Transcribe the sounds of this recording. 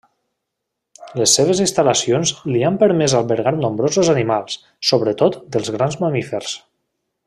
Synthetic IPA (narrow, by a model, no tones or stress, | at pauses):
ləsːeβ̞əzinst̪ələsionzliampəɾmɛzalˠβəɾɣaɾnõmbɾozozanimalˠsː | oβɾət̪ot̪d̪əlˠzɣɾanzməmifeɾs